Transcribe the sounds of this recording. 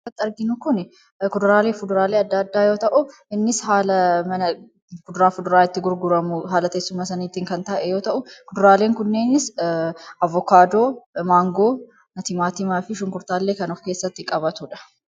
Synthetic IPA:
ɐt̪ːɪɐɾɡɪnʊkʊnɛ | kʊd̪ʊɾaːleːfʊd̪ʊɾaːle̞ːɐd̪ːɐːd̪ːaːjo̞ːt̪ɐʔʊɪnːɪshaːlɐmɐnɐ | fʊd̪ʊɾaːfʊd̪ʊɾaːɪt̪ːɪɡʊɾɡʊɾɐmʊɦaːlɐt̪eːsːʊmaːsɐniːt̪ːiːŋkɐnt̪ɐʔɛjo̞ːt̪ɐʔʊkʊd̪ʊɾaːle̞ːŋkʊnːeːnɪs | ʔɐvːɔkaːd̪o̞ːmaːŋɡo̞ː | nɐt̪ɪmaːt̪ɪmaːfɪʃʊŋkʊɾt̪aːlːe̞ːkɐnɔfke̞ːsːɐt̪ːɪkʼɐbɐt̪uːᶑɐ̥

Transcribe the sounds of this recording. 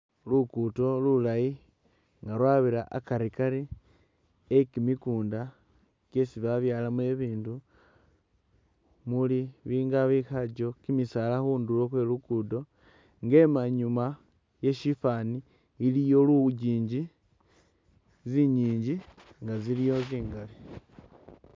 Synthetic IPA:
lukuto̞lulaji | ŋɡaɾwaːβiɾaʔakaɾikaɾi | ekimikuːnda | ke̞siβaβjaːlame̞βiːndu | muliβiːŋɡaβixaɟo̞kimisalaxuːndulo̞xwe̞lukudo̞ | ŋɡe̞maɲuma | je̞ʃifaniː | lijo̞luuɟiːɲɟi | ziɲiːɲɟiŋɡazilijo̞ziːŋɡali

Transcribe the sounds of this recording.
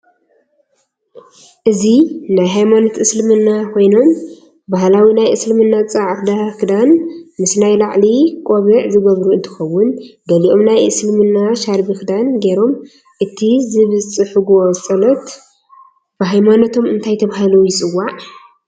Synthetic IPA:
ʔɨzinajɦajmanot̪ʔɨslɨmɨnːakʰo̞jno̞m | baɦlawinajʔɨslɨmɨnːat͡sʼaʕkd̪akɨd̪anmɨsnajlaʕlikʼoβɨʕzɨɡɐβɾuɨnt̪ʰɨ̥xɐwːʊnɡɐliʔo̞mnajʔɨslɨmɨnːaʃaɾbikd̪anɡeɾo̞m | ʔɨt̪ʰizɨβɨt͡sʼɨħuɡo̞sʼɐlɐt̪ | b̥ɨɦajmanot̪ʰo̞mɨnt̪ʰajt̪ʰɐβaɦalujɪt͡sʼɨwaʕ

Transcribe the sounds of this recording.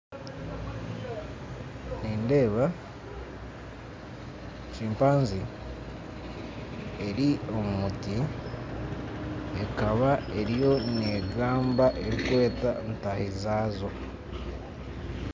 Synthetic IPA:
niːnde̞ːβa | ʃiːmpaːnzi | e̞ɾio̞muti | ekaβae̞ɾjo̞neɡaːmbaʔe̞ɾikwe̞ːtantahizaːzo

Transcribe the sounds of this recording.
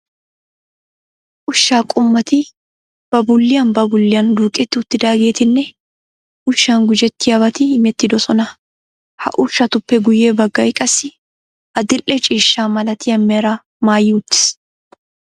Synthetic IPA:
ʔʊʃːaːkʼʊmːɐt̪ɪ | b̥ɐbʊlːɪjɐnbɐbʊlːɪjɐnd̪uːkʼɛt̪ːɪʊt̪ːɪd̪aːɡe̞ːt̪ɪnːɛ | ʔʊʃːaːŋɡʊd͡ʒɛt̪ːɪjɐbɐt̪ɪmɛt̪ːɪd̪ɔsɔnɐ | hɐ̰ʔʊʃːɐt̪ʊpːɛɡʊjeːbɐɡːɐjɪkʼɐsɪ | ʔɐd̪ɪlʔɛt͡ʃʼiːʃːaːmɐlɐt̪ɪjɐmːɛːɾɐ | maːjːɪʊt̪ːɪ̥s

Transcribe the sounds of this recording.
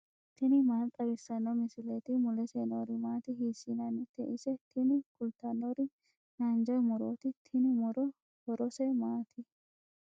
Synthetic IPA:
t̪ʰɪnɪmaːlt̪ʼːɐbɪsɐnːɔmɪsɪlɛt̪ɪmʊlɛseːnoɾɪmaːt̪ɪɦiːsinɐnːɪt̪ɛʔɪsɛt̪ʰɪnɪkʊlt̪ɐnːɔɾɪ | naːnd͡ʒɔjmʊɾoːt̪ɪt̪ʰɪnɪmʊɾɔ | hɔɾɔsɛmaːt̪ʰɪ

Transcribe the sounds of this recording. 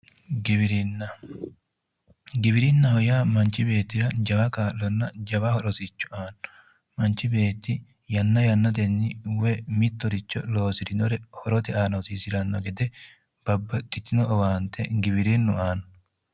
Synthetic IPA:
ɡɪbɪɾinːɐ | ɡɪbɪɾɪnːɐhɔjaːmɐnt͡ʃːɪbe̞ːt̪ːɪjɐd͡ʒɐbɐkaːlːɔnːɐd͡ʒɐbɐhɔɾɔsit͡ʃːʊ̥ʔaːn | mɐnt͡ʃːɪbe̞ːt̪ːɪ | jɐnːɐjɐnːɐt̪ɛnːɪwɛmɪt̪ːɔɾɪt͡ʃːɔ̰lo̞ːsɪɾɪnɔɾɛhɔɾɔt̪ɛʔaːnɐwsiːsɪlɐnːɔɡɛd̪ɛ | b̥ɐbːɐt̪ʼːɪt̪ːɪnɔɔwaːnt̪ʰɛ̰ɡɪbɪɾinːʊʔaːn

